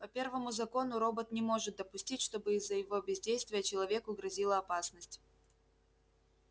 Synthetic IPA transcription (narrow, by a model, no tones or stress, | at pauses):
pɐpʲe̞rvəmʊzɐko̞nʊɾo̞bət̪nʲɪmo̞ʐɨt̪̚d̪əpʊsʲtʲitʲʂt̪o̞bɨɪzːəjɪvo̞bʲɪzʲdʲejst̪vʲɪjət͡ɕɪlˠɐvʲekʊɡɾɐzʲilˠəɐpasnəsʲtʲ